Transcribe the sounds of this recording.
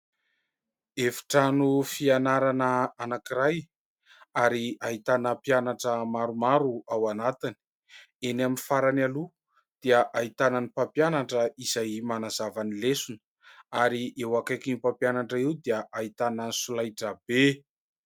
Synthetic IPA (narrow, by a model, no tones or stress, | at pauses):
efi̥ʈ͡ʂanufianaɾanəanakiɾaj | aɾiaɦit̪anəpjanaʈ͡ʂəmaɾumaɾuawanat̪ini̥ | enaminifaɾanalu | d̪̥iəʔaɦit̪ananipapjanaʈ͡ʂəiz̥ajmanazavanilesunə̥ | aɾiʔewakajkinipampjanaɳʈ͡ʂəiwd̪iəʔaɦit̪anənisulajʈ͡ʂabe